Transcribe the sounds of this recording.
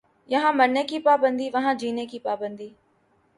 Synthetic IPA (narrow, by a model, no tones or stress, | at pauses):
jɐɦãmɐɾnekipaːbə̃nd̪ʱiʋɐɦãd͡ʒiːnekipaːbə̃nd̪ʱiː